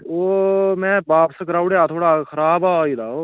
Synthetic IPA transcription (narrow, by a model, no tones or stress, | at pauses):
oːmɛ̃ːbaːpsəkəɾaːʊɽjaːt̪ʰoːɽaːkʰəɾaːbaːiːlaːoː